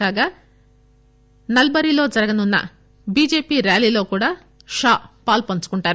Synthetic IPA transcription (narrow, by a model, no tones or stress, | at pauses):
aːɡaː | nɐlbɐɾilo̞ːd͡ʒɐɾɐɡɐnunːɐ̰ | biːd͡ʒe̞ːpiːɾjaːliːlo̞ːkuːɽaː | ʃaːpaːlpɐnt͡ʃu̥kuɳʈaːɾu